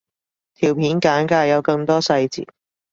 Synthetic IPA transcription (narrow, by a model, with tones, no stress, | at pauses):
t̪ʰiː˨˩wpʰiː˨˥nkaː˨˥nkaː˧jɐ˨˧wkɐ˧ŋt̪ɔː˥sɐ˧jt͡sḭː˨˩t̚